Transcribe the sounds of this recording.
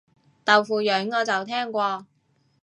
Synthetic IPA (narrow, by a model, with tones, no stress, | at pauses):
t̪ɐ˨wfuː˨jœː˨˥ŋŋɔː˨˧t͡sɐ˨˩wt̪ʰɛː˥ŋkʷɔː˧